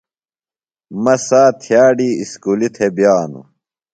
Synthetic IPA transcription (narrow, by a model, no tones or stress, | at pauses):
mɐsaːt̪ʰijaːɖiːiskuːlit̪ʰebjaːnṵ